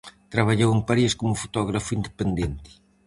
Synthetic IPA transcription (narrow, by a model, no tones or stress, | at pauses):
t̪ɾaβaʎowempaɾieskomʊfo̥t̪ɔɣɾafuind̪epend̪ent̪ɪ̥